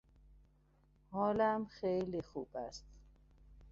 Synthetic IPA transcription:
hɒːlæmxejlixuːb̥æst̪

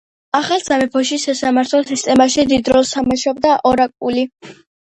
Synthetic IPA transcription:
aχalˠzamɛpʰɔʃisasamaɾt̪ʰlˠɔsist̪ʼɛmaʃid̪id̪ɾɔlˠsamaʃabd̪aʔɔɾakʼuli

